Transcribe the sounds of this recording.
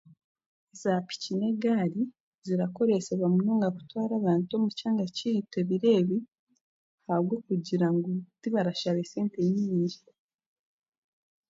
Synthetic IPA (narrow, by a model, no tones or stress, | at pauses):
ezapi̥cine̞ɡaːɾi | ziɾako̞ɾe̞seβamunoːŋɡaku̥twaːɾaːβaːntuo̞mucaːŋɡacihite̞βiɾe̞βi | haβɡo̞ːkuɟiɾaŋɡotiβaɾaʃaβese̞ːnteɲiɲiːɲʒiɾe